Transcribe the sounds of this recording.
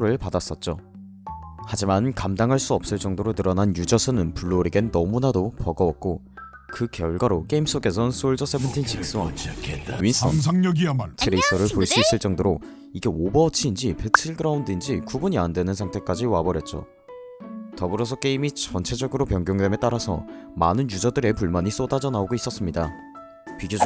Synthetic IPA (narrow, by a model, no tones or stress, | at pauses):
ɾɯɭpadas͈ʌt̚t͡ɕ͈o | had͡ʑimankamdaŋɦaɭs͈uʌp̚s͈ɯɭt͡ɕ͈ʌŋdoɾonɯɾʌnanjud͡ʑʌsʰɯnɯnpuɭːoɾiɡenːʌmunadopʌɡʌwʌk̚k͈o | kɯkjʌɭɡwaɾok͈e̞ims͈oɡe̞s̬ʰʌnsʰoɭd͡ʑʌsʰepʰɯntʰint͡ɕik̚s͈uwa̰ | ɥinsʌnʰŋɲʌɡitʰeɾeisʰʌɾɯɭpoiɭs͈uis͈ɯɭt͡ɕ͈ʌŋdoɾo | iɡe̞obʌt͡ɕʰiːnd͡ʑipet͡ɕʰiɭɡɯɾaundind͡ʑikubuɲiandwe̞nɯnsʰaŋtʰe̞k͈ad͡ʑiwabʌɾjʌt̚t͡ɕ͈o̰ | tʌbɯɾʌs̬ʰʌk͈e̞imit͡ɕʌnt͡ɕʰe̞d͡ʑʌɡɯɾopjʌŋɡjoŋde̞me̞t͈aɾasʰʌ̰manɯnjud͡ʑʌdɯɾe̞puɭmaɲis͈odad͡ʑʌnaoɡois͈ʌs͈ɯmɲida | pɥiɡjo